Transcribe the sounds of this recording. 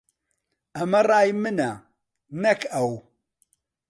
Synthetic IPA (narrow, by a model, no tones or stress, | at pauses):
amːaɾajmɨna | nɐkʰaw